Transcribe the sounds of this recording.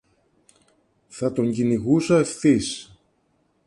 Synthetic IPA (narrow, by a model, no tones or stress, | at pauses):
θɐt̪o̞ɲɟiniɣusɐefθis